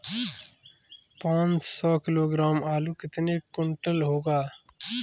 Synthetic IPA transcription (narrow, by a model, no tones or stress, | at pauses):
pãːnt͡ʃsɔːkɪloːɡɾaːmaːlukɪt̪nekʊɳʈəlɦoːɡaː